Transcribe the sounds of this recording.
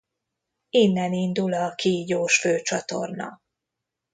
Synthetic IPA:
inːɛnind̪ulɒkʰiːɟoːʃføːt͡ʃɒt̪o̞̰rnɒ̰

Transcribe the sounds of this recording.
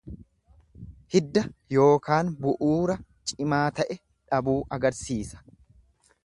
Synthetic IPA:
hɪd̪ːɐjo̞ːkaːnbʊʔuːɾɐt͡ʃʼɪmaːt̪ɐʔɛ | ᶑɐbuːʔɐɡɐɾsiːsɐ̥

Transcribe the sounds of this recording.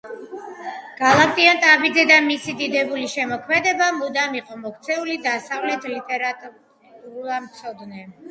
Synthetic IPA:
ɡ̥alˠak̚t̪ʼiant̪ʼabid̪zɛd̪amisid̪id̪ɛbuliʃɛmɔkʰmɛd̪ɛbamud̪amiqʼɔmɔkʰt̪sʰɛulid̪asavlɛt̪ʰlit̪ʼɛɾat̪ʼ | amt̪sʰɔd̪nɛ

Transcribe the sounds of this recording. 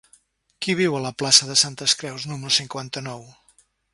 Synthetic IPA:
kiβ̞iwələplasəðəsant̪əskɾɛwznuməɾusiŋkwant̪ənɔw

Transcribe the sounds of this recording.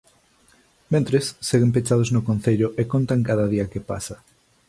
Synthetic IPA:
mẽnt̪ɾesːeɣempet͡ʃaðʊznʊkõn̟θeʎʊʔekont̪aŋkaðɐðiɐkepa̰sɐ

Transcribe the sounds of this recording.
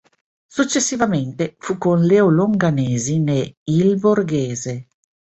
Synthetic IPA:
sut͡ʃːesːivament̪efukonleoloŋɡaneːzineilborɡeːze

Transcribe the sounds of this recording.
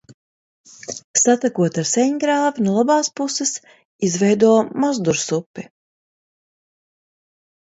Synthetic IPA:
sat̪akuɔt̪aɾsɛɲɡɾaːvinulˠabɑːspusɛs | izvɛjd̪uɔmɔzd̪uɾsupːi

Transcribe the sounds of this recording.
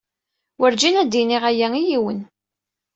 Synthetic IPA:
wəɾd͡ʒinæd̪ːiniʁæjæijiwən

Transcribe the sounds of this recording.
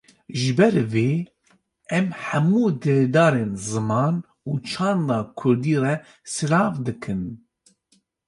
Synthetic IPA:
ʒɨbɛɾveː | ɛmħæmuːd̪ɨɾd̪ɑːɾeːnzɨmɑːn | uːt͡ʃʰɑːnd̪ɑːkʰʊɾd̪iːrɛ | sɨɾɑːfd̪ɨkʰɨn

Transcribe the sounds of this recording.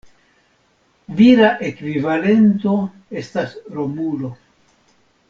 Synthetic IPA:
viɾaʔe̞kvivale̞nt̪o̞ | e̞stasɾo̞mulo̞

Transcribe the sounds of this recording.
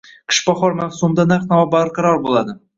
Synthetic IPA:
qʰɪ̥ʃbɒχɒɾmafsʊmd̪anaɾt̪̚navabaɾqʰɑɾɒɾbolˠad̪ɪ

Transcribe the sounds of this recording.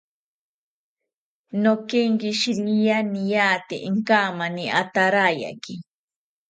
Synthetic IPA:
nokeŋkiʃiɾiijanijat̪ḛʔiŋkaːmaniʔat̪aɾaja̰ki

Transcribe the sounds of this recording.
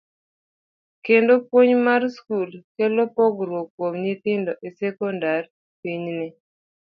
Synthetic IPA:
kendopwoɲmarskulkɛlɔpɔɡɾwokwomɲit̪ɪndɔʔesɛkɔndar | piɲnɪ

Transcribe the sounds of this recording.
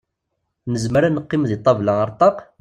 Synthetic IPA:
nəzməɾanəqːɪmðit̪ˤːɑvlɑəɾˤt̪ˤɑq

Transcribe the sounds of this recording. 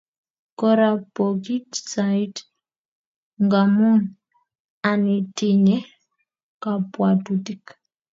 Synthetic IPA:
kɔɾapokitsait | ŋɡamun | anitiɲɛ | kapwatutik

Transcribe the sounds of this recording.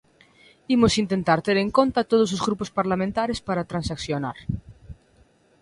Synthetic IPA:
imʊsint̪ent̪aɾt̪eɾeŋkont̪at̪oð̞os̬ozɣɾupospaɾlamẽnt̪aɾespaɾat̪ɾãnsaksjonaɾ

